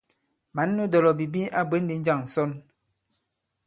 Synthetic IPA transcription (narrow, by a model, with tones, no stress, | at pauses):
ma˨˦nː˦u˦dɔ˨lɔ˨bi˨bi˦a˦be˨˦n˦di˨˦n̩˦d͡ʒa˦˨ŋ̩˨sɔ˦n